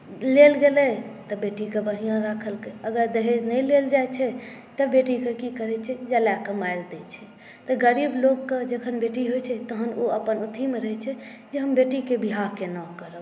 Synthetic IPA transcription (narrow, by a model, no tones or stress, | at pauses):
lelɡelɛt̪ɔbeʈikebəɦijãɾakʰəlkeəɡəɾd̪eɦɛnəjleld͡ʒajt͡ʃʰɛ | t̪əbeʈikekikəɾɛt͡ʃʰɛd͡ʒəlakəmajld̪ɛt͡ʃʰɛ | t̪əɡəɾibloɡːed͡ʒəkʰənbeʈiɦojt͡ʃʰɛt̪əɦənoəpənut̪ʰimeɾəɦɛt͡ʃʰɛd͡ʒeɦəmbeʈikebiɦaɦkenakəɾə